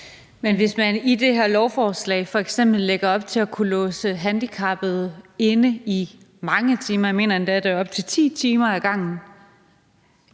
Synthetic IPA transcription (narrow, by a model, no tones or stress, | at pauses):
menʋe̝smænid̥e̝ɦæɐ̰lɒʊfɒːslɛ̰ɪfɒ̽eɡ̥sem̰b̥l̩ːeɡ̥ɐɒ̽b̥̚t͡sʰe̝ækʰulɔ̽ːsəɦænd̥ikʰɑ̈b̥ð̩ˠe̝nəi | mɑ̈ŋət͡sʰiːmɐme̝̰ːnɐmænd̥æɐd̥æɒ̽b̥̚t͡sʰe̝t͡sʰḭːt͡sʰiːmɐæɡ̥ɑ̈ŋ̰n̩